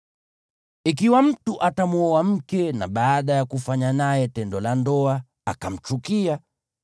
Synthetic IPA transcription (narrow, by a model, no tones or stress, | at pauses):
ik̬iwam̩tuʔatamuɔam̩kɛna̰ɓaːɗajakufaɲanajɛtɛndɔlandɔa | akam̩t͡ʃukia